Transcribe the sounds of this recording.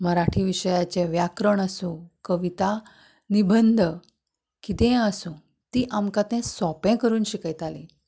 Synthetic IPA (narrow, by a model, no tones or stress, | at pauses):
məɾaʈʰiʋiɕəjat͡ɕẽʋjakɾəɳəsũkəʋit̪a | nibənd̪ʱə | kit̪ɛ̃əsũ | t̪iːʔamkat̪ɛ̃sɔpɛ̃kəɾuːnɕikajt̪ali